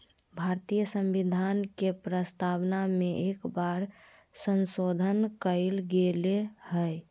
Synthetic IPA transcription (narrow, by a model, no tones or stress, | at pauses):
bʱaɾt̪ijəsə̃mʋid̪ʱaːnkepɾəst̪aʋnamẽʔeːkbaɾ | sənsod̪ʱənkəelɡelehəj